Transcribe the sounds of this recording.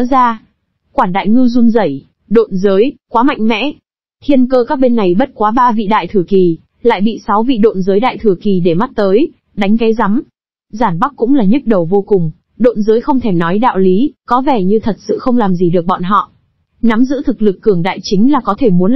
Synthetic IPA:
zaː˧ | kwaː˧˩nɗa̰ː˧˨jŋɨ˧zu˧nzə˧˩j | ɗo̰˧˨nzəː˨˦jkwaː˨˦ma̰˧˨jŋ̟mɛ̰˧˥ | t̪ʰi˧ənkəː˧kaː˦˥k̚ɓe˧nːa˨˩jɓə˦˥t̚kwaː˨˦ɓaː˧vḭ˧˨ɗa̰ː˧˨jt̪ʰɨ˧˩əki˨˩ | la̰ː˧˨jɓḭ˧˨sa˨˦wvḭ˧˨ɗo̰˧˨nzəː˨˦jɗa̰ː˧˨jt̪ʰɨ˧˩əki˨˩ɗe˧˩ma˦˥t̚t̪əː˨˦j | ɗa˨˦ŋ̟ka˨˦jza˨˦m | zaː˧˩nɓa˦˥k̚kʊ̰˧˥ŋ͡mlaː˨˩ɲə˦˥t̚ɗə˨˩wvo˧kʊ˨˩ŋ͡m | ɗo̰˧˨nzəː˨˦jxə˧wŋ͡mt̪ʰe˧˩mnɔ˨˦jɗa̰ː˧˨wli˨˦kɔ˨˦vɛ˧˩ɲɨ˧t̪ʰə˨˩t̚sɨ̰˧˨xə˧wŋ͡mlaː˨˩mzi˨˩ɗɨ˨˩ək̚ɓɔ̰˧˨nɦɔ̰˧˨ | na˨˦mzɨ̰˧˥t̪ʰɨ˨˩k̚lɨ˨˩kːɨ˧˩əŋɗa̰ː˧˨jt͡ɕï˨˦ŋ̟laː˨˩kɔ˨˦t̪ʰe˧˩mu˨˦n

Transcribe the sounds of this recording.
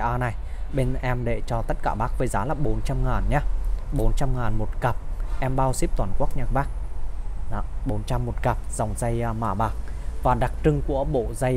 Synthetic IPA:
ʔaː˧na˨˩jɓe˧nʔɛ˧mɗḛ˧˩t͡ɕɔ˧t̪ə˦˥t̚kaː˧˩ɓaː˦˥k̚vəː˨˦jzaː˨˦laː˨˩ɓo˨˦nt͡ɕa˧mŋaː˨˩nɲa˧ɓo˨˦nt͡ɕa˧mŋaː˨˩nmo˨˩t̚ka˨˩p̚ʔɛ˧mɓaː˧wsi˦˥p̚t̪waː˧˩nku˦˥ək̚ɲə˨˧˩k̚ɓaː˦˥k̚ | ɗɔ˨˦ɓo˨˦nt͡ɕa˧mːo˨˩t̚ka˨˩p̚z̥a˨˩wŋ͡mza˧jmaː˧˩ɓaː˨˩k̚vaː˨˩ɗa˨˩k̚t͡ɕɨ˧ŋku˧˩əɓo̰˧˨za˧j

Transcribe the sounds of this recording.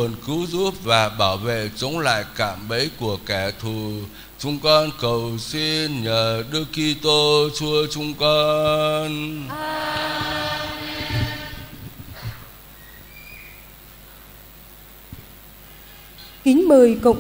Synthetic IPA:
ənkɨ˨˦wzu˦˥p̚vaː˨˩ɓaː˧˩wvḛ˧˨t͡ɕə˨˦wŋ͡mla̰ː˧˨jka̰ː˧˨mɓə˨˦jku˧˩əkɛ˧˩t̪ʰu˨˩ | t͡ɕʊ˨˧˦ŋ͡mkɔ˧nkə˨˩wsi˧nɲəː˨˩ɗɨ˧əki˧t̪o˧t͡ɕu˧ət͡ɕʊ˨˧ŋ͡mkɔ˧n | kï˨˦ŋ̟ɓɨː˨˩jkə̰˧˨wŋ͡m

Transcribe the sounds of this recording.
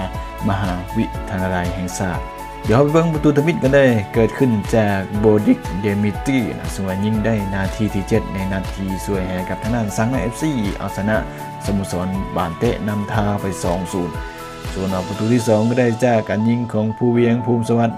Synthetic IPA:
ma˧ɦaː˨˦wi˧t̪ʰa˧naː˧la˨˧jɦɛː˨ŋsaː˧˩t̪̚ | di˨˧˦ha˧˥pa˨˩bɤ˧˥˨ŋpa˧t̪uː˧t̪ʰa˧mi˧t̪̚kaː˧˦da˧˥˨jkɤː˨˩t̪̚kʰɯ˧˩˨nt͡ɕaː˧˩k̚bɔː˧di˧k̚deː˧mi˧t̪iː˧˩˨na̰˧˨sɯ˧˦ŋwaː˧˩ɲi˧˥˨ŋda˧˥˨jnaː˧˩t̪ʰiː˧t̪ʰiː˧˩t͡ɕe˧t̪̚na˧˥jnaː˧˩t̪ʰiː˧˩su˧˩əjhɛ˨˧˦jka˧p̚t̪ʰa˧ŋdaː˧˥˩nsa˧˥ŋla˧˥ʔe˧˥p̚siː˧˩ʔa̰˧˩wsʰa˧na˧ʔ | sa˧˦mu˧˨sɔː˨˦nbaː˨˩nt̪ɛ̰˧ʔna˧˥˨mt̪ʰaː˧pa˨˩jsɔː˨˦ŋsuː˨˦n | su˨˦nʔaː˧˩pa˧t̪uː˧t̪ʰiː˧˩sɔː˨˦ŋkɔ˧da˧˥˨jt͡ɕaː˧˩kːaː˨nɲi˧˥˨ŋkʰɔː˨˦ŋpʰuː˧˨wi˧əŋpʰuː˧˨msa˧wa˧˥t̪̚

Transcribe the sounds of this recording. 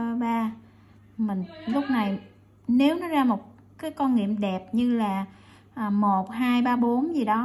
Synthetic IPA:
ɓaː˧ | mï˨˩ŋ̟lʊ˦˥k͡p̚na˨˩j | ne˨˦wnɔ˨˦zaː˧mo˨˩t̚ | kaː˨˦jkɔ˧nŋḭ˧˨əmɗɛ˨˩p̚ɲɨ˧laː˨˩ | ʔːmo˨˩t̚ɦaː˧jɓaː˧ɓo˨˦nzi˨˩ɗɔ˨˦

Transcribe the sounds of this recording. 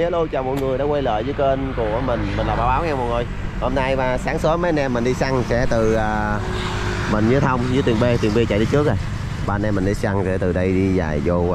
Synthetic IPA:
ɛ˨˦˥lu˧t͡ɕa˧˩wmo̰˨˩ŋɨ˨˩əjɗaː˧˥kwa˧jlə̰ː˧˨jvəː˨˦jke˧nku˧˩əmï˨˩ŋ̟mi̟˨˩laː˨˩ɓaː˨˦wɓaː˨˦wŋɛ˧mo˨˩ŋo˨˩jho˧mna˧jmaː˨˩saː˨˦ŋsə˨˦ma˨˦nɛ˧mːï˨˩ŋ̟ɗi˧sa˧ŋsɛ̰˧˥t̪ɨ˨˩ʔaː˨˩ | mï˨˩ŋ̟zɨ˨˦ət̪ʰə˧wŋ͡mzɨ˨˦t̪wi˨˩ənɓe˧t̪wi˨˩nɓe˧t͡ɕa̰˧˨t̪ɨ˨˦t͡ɕɨ˦˥k̚zaː˨˩j | ɓaː˧nɛ˧mːï˨˩ŋ̟ɗi˧sa˧ŋsɛ̰˧˥t̪ɨ˨˩ɗə˧jɗi˧za̰ː˨˩jzo˧

